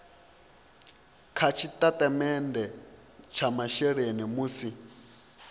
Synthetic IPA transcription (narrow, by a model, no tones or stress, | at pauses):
kʰat͡ʃʰitʼatʼamɛndɛ | t͡ʃʰamaʃɛɺenimusi